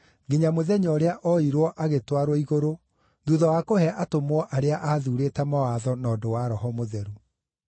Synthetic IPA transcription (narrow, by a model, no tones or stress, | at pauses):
ɡeɲamoðɛɲɔːɾeaʔɔiɾwɔʔaɣetwaɾwɔiɣoɾo | ðuðɔwakohɛʔatomwɔʔaɾeaʔaːðuɾeːtɛmawaðɔnɔːdowaɾɔɦɔmoðɛɾu